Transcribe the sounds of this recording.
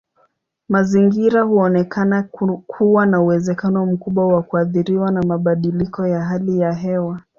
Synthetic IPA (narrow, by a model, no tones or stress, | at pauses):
maziŋɡiɾahuɔnɛkʰanakʰuwanauwɛzɛkanɔm̩kuɓwawakuaθiɾiwanamaɓaɗilikɔjaɦalijaɦɛwa